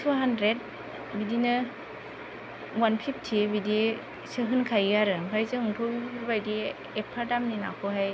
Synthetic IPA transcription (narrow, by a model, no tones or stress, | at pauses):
tʰuɦandɾet̚ | bidinɯ | wanpʰip̚ʰtʰibidi | sɯɦɯnkʰajjaɾɯbʰajzɯŋɯŋtʰɔɯɾbajdi | epʰadamnina̰kʰɔɦaj